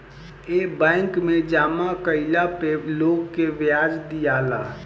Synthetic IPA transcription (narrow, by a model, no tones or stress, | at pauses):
ebɛ̃ɪŋkmed͡ʒaːmakəɪlapeloɡkeʋjaːd͡ʒd̪ijala